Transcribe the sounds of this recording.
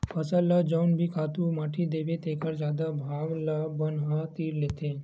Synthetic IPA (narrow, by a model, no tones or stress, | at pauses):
pʰɐsəlːad͡ʒaʊnbʱikʰaːt̪umaːʈʰid̪eːbet̪eːkəɾd͡ʒjaːd̪abʱaːɡlabənɦat̪iːɾleːt̪eː